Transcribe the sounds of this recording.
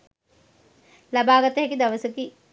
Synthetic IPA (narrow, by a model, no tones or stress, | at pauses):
lɐbaːɡɐt̪ɐɦekid̪ɐʋɐsəki